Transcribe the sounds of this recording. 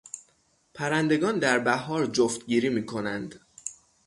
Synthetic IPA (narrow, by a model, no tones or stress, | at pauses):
pʰæɾænd̪e̞ɡɒːnd̪æɾbæɦɒːɾd͡ʒoft̪ɟiːɾiːmiːkʰo̞nænd̪